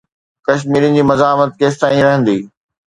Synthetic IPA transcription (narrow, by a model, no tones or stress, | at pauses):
kɐʃ̬miːɾĩ̆d͡ʑiːmɐzaːmət̪̚keːs̬t̪ãːĩɾɐɦə̃nd̪iː